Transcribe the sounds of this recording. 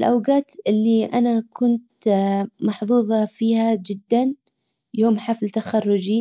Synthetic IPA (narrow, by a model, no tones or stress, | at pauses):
lʔawɡaːt̪ʔɪlːiʔanakʰʊnt̪ | mɑħðˤuːðˤɑfiːhad͡ʒɪd̪ːan | joːmħaflt̪axɑrːʊd͡ʒi